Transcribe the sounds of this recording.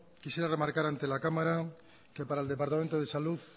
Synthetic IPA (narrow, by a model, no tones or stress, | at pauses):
kisjeɾaremaɾkaɾant̪elakamaɾa | kepaɾaeld̪epaɾt̪ament̪̬oðesaluθ